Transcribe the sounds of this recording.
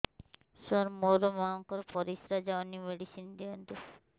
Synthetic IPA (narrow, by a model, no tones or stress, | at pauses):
ʃoɾmoɾomaŋkɔɾpɔɾisɾad͡ʒawnimeɖisind̪iond̪u